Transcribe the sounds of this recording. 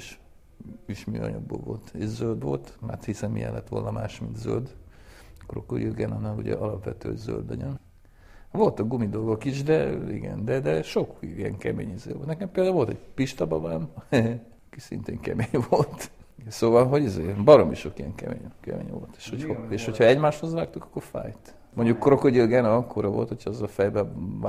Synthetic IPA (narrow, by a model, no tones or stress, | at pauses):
eʃ | iʃmyɒ̰ɲɒɡ̚boːlvo̞lt̪eɟzøld̪ʋo̞lt̪ma̰ːt̪hisɛmmijɛ̰lːɛt̪ːʋo̞lnɒmaːʃmint̪zøld̪ | kːoɾɒkːoɾijøɡɛnɒnːaluɟɛ̰ɒlɒpʋɛt̪øːhoɟzø̰ld̪ɒɲøn | vo̞lt̪ɒk̚ɡumid̪o̞lɡo̞kiʃd̪ɛiɡɛ̰nd̪ɛd̪ɛʃokiɛŋkɛmeːɲizḛːʋolt̪nɛkɛmpeːld̪auo̞lt̪ɛɟpiʃt̪ɒbɒbanɛ | ki̥sḭnt̪eːŋkɛ̰meːɲvo̞lt̪ | soːvɒlɦo̞ɟizeːbɒɾomiʃokijɛŋkɛ̰meːɲkɛ̰mḛːɲʋo̰lt̪e̥ːʃhoceːʃhocʰhɒɛɟmaːʃho̞zʋaːk̚t̪ukɒ̥kːoɾfa̰ːjt̪ | moɲɟukːɾokoɟiɡɛnɒɒkːoɾɒvo̞lt̪hocʰhɒɒzːɒlfɛjbɛ